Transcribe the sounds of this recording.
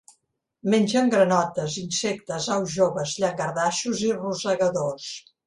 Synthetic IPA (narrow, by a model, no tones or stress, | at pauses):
menʲd͡ʒəŋɡɾənɔt̪əzinsɛk̚t̪əzawʒoβəzʎəŋɡəɾðaʃuziruzəɣəðos